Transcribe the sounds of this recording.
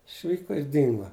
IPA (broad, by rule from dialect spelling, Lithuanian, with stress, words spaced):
ɪʃʲˈʋʲiːkoː ɪr ˈdʲɪŋɡoː